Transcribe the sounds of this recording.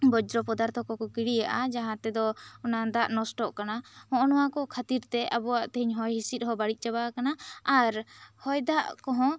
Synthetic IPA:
bɔd͡ʒɾɔpɔd̪aɾt̪ʰɔkɔkɔkiɽijaʔad͡ʒaɦãt̪ɛd̪ɔɔnad̪aʔnɔsʈɔʔkanahɔ̃ʔɔnɔwakɔkʰat̪iɾt̪ɛʔabɔwaʔt̪ɛɦiɲɦɔjɦisit̪̚ɦɔbaɽic̪̚ˀt͡ʃaβakanaaɾhɔjd̪aʔkɔɦɔ̃

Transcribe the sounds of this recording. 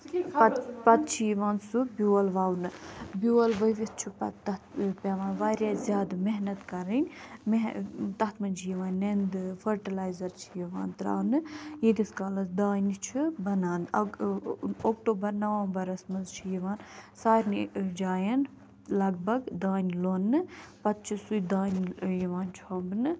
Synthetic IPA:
pɐt̪̚t͡ʃʰijiʋaːnsubʲjuːɐlʋaːwnɨbjuːɐlʋɐjʋʲist͡ʃʰipɐt̪ɐt̪pʲaːʋaːnʋaːɾjaːzʲjaːd̪meɦnɐt̪kɐɾinʲmet̪ɐt̪ʰmɐnd͡ʒʰijiʋaːnːend̪fʰɐɾʈɐlaːjzɐɾt͡ʃʰijiʋa̰ːnt̪ɾa̰ːnɨjed̪iskaːlɐsd̪aːnʲit͡ʃʰibɐnaːnɐ | oːk̚ʈoːbɐɾnɐʋãːnbɐɾɐsmɐzt͡ʃʰijiʋaːnsaːɾnid͡ʒaːjɐn | lɐɡbɐɡd̪aːnʲloːnːɨpɐt̪̚t͡ʃʰisujd̪aːnʲjiʋaːnt͡ʃʰɐbnɨ

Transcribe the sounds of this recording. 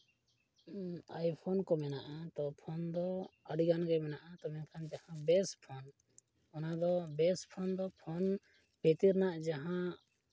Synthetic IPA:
ajpʰɔnkɔmɛnaʔat̪ɔpʰɔnd̪ɔəɖiɡanɡɛmɛnaʔat̪ɔmɛnkʰand͡ʒ̪ahãbɛspʰɔn | ɔnad̪ɔbɛspʰɔnd̪ɔpʰɔn | bʰet̪iɾnaʔd͡ʒaɦã

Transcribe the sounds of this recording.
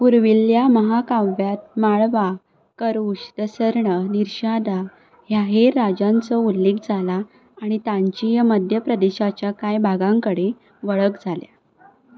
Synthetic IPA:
puɾʋiljaməɦakãjat̪̚maɭʋa | kəɾuɕd̪əsəɾɳəniɾɕad̪a | ɦjaɦeɾːad͡ʑãnt͡səulːek̚d͡zʱalaː | ɽ̃it̪ãɲt͡ɕijəməd̪ʱjəpɾəd̪eɕat͡ɕjakajbʱaɡãŋkəɽe | ʋəɭəkd͡zʱalja̰

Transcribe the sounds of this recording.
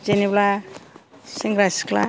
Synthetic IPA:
d͡ʒenibla | siŋɡɾaskla̰

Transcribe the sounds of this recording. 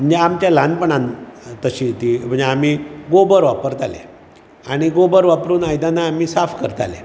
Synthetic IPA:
m̤əɳd͡zeamt͡ɕjalanpəɳant̪əɕiːt̪im̤əɳd͡zeam̤iɡobəɾʋapəɾt̪alḛ | aɽ̃iɡobəɾʋapɾuːnajd̪anaːmiːsafkəɾt̪a̰lḛ

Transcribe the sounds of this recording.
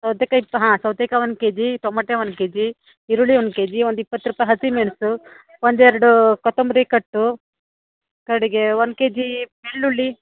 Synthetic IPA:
sɐwt̪ekɐipːɐɦãːsɐwt̪ekɐʋɐnkeːd͡ʒit̪omɐʈːeʋɐnkeːd͡ʒi | iɾuɭiʋonkeːd͡ʒiʋond̪uipːɐt̪ːɾuːpajɦɐsimeɳsu | ʋond̪ɛɾɐɽukɔt̪ombɾikɐʈːu | kɐɾɽiɡeʋonkeːd͡ʒimeɭːuɭːi

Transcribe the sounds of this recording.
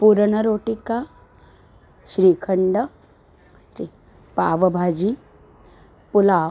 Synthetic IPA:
puːɾɳəɾoːʈika | ʃɾiːkʰəɳɖə | ɾi | paːʋɐbʱaːd͡ʒi | pʊlaː

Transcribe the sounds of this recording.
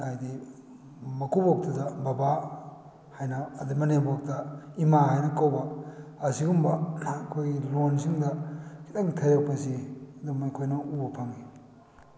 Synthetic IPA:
ajdi | mɐkʰubok̚tɐdɐbɐba | hajnɐːdimɐnebok̚tɐimaɦajnɐkawbɐːsiɡumbɐkʰojɡilonsiŋdɐkʰitaŋtʰɐjɾɐk̚pɐsiɐdumikʰojnɐubɐpʰɐŋi

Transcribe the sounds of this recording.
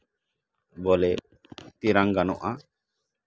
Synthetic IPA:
bɔlɛ | t̪iɾaŋɡanɔʔa

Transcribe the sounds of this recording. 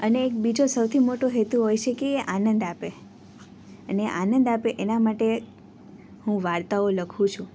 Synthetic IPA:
əneːk̚bid͡ʒosəwt̪ʰimoʈoɦet̪uɦojt͡ʃʰekeːʔanənd̪ape | əneʔanənd̪apeʔenamaʈe | hũʋaɾt̪aoləkʰũt͡ʃʰũ

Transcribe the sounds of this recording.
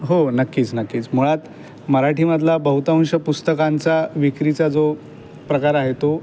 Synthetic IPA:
ɦonəkːiːt͡snəkːiːt͡sm̤uɭat̪ | məɾaʈiməd̪ʱlabəɦut̪aɦũɕəpust̪əkant͡saʋikɾit͡sad͡zo | pɾəkaɾaɦet̪o

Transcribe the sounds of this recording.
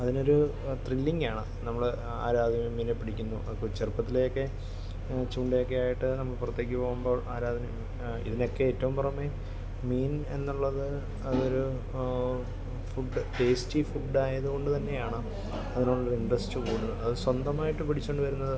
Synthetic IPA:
ɐðino̞ɾu | t̪rilːiŋɡaːɳɨ | nɐmːɐɭe | a̰ːɾaːd̪ʱjɐmemiːnepːiɽikʲːunːṵʔɐkut͡ɕerpːɐt̪ːilejokːe̞ | t͡ɕuːɳɖijokːeaːjiʈːɨnɐmːɐɭpurɐt̪ːje̞ːk̬ʲːɨpo̞ːɣumbo̞ːʔaːɾaːd̪ʱjɐm | ḭðinokːe̞eːtːɐʋumpɐrɐumːe | miːne̞nːuɭːɐðɨ | ɐðo̞ɾu | fuɖːɨpe̞ːstifuɖaːjɐðuɣo̞ɳɖɨt̪ɐnːe̞jaːɳɨ | ɐðinuɭːɐoɾiɳɖɐstːɨkuːɽuɐðɨswɐnd̪ɐmaːjiʈːɨpiɽʰit͡ɕːo̞ɳɖɨʋɐɾunːɐðɨ

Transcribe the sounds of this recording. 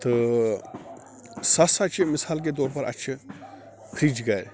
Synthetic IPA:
t̪ɨ | sɐsɐt͡ʃʰemɪsaːlk̬et̪̬oːɾpɐɾʔɐ̰t͡ʃʰi | kʰɾiːd͡ʒɡɐɾʲ

